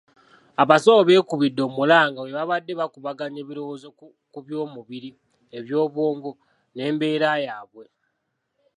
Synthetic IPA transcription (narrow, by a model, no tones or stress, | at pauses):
aβasooβe̞ːkuβidːo̞mulaːŋɡawe̞βaβadːe̞βakuβaɡaɲe̞βiɾo̞wozo | kuβjo̞ːmuβiɾi | eβjo̞ːβwoːŋɡo | ne̞ːmbe̞ːɾajaːβwe̞